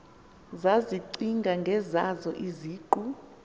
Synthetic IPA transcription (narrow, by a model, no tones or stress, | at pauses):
zaziǀiŋɡʱaŋɡʱɛzazɔʔiziːǃu